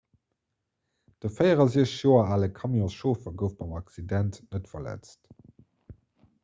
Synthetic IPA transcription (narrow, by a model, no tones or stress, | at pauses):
d̥əfɜɪəʁɐziəɕjoːɐaːləkʰɑmjɔ̃sʃoːfɐɡəʊftbɑmɑksidæntnətfɐlæ̰t͡st